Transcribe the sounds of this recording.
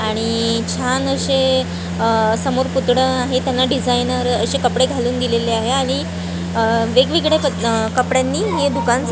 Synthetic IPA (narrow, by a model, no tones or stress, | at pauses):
aɽ̃it͡ɕʰanəɕe | səmoɾput̪ɽəaɦet̪janːaɖid͡zʱajnəɾəɕekəpɽeɡʱaluːnd̪ileleaɦeaɽ̃i | ʋeɡʋiɡɽepəkəpɽjanːiːɦed̪ukans